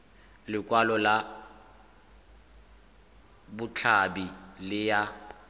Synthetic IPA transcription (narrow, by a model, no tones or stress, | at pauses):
lɪkʼwalɔla | bʊt͡ɬʰabilɪja